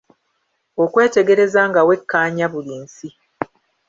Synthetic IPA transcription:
o̞kwe̞ːte̞ɡe̞ɾe̞zaːŋɡawe̞kːaːɲaβuliːnsi

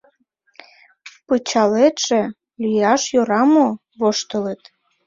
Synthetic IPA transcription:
pɯt͡ɕɑlet̪ʒ̥ĕ | lyjɑʃjoɾɑmo | βoʃt̪ə̆lət̪

